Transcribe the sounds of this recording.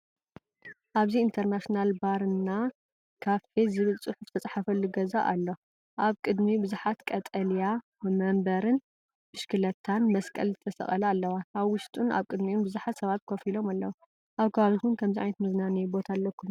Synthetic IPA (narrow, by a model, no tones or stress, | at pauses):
ʔaβziːnt̪ʰɐɾnaʃnalbaɾɨnːa | kʰaβħezɨβɨlsʼɨħuft̪ʰɐt͡sʼaħafɐlːuɡɐza̰ʔalːo̞ | ʔaβkʼɨd̪mibɨzuħat̪kʼɐt̪ʼɐlja | mɐmbɐɾɨn | bɨʃkʰɨlɐt̪ʰːanmɐskʼɐ̰lzɨt̪ʰɐsɐ̰χʼɐlɐːlːɐwaaβwʊʃt̪ʼuna̰βkʼɨd̪miunbɨzuħat̪sɐβat̪̚kʰofilo̞malːɐwa | ʔaβkʰɐaβit̪ʰunkʰɐmziʔajnɐt̪mɨznanijbo̞t̪ʰalːɐkʰːum